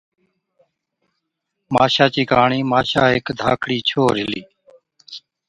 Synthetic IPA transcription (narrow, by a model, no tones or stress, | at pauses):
ma̰ːʃaːt͡ʃiːkaːɳiːmaːʃaːɦɪkd̪ʱaːkʰɽiːt͡ʃʰoːɾɦɪliː